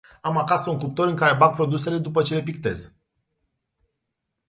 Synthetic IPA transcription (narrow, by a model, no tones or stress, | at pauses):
amakasəuŋkup̚t̪o̞ɾɨŋkaɾe̞baɡ̚pɾo̞d̪use̞le̞d̪upət͡ʃe̞le̞p̬ik̚t̪e̞̰z